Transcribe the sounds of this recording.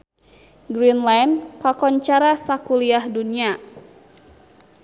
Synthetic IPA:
ɡɾinlajnkakɔɲt͡ʃaɾasakuliahdunia

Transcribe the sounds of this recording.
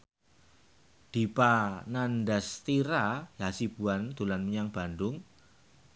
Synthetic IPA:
d̪̥i̤pananɖast̪iɾaɦasib̥ṳand̪̥ulanməɲaŋb̥a̤nɖʊŋ

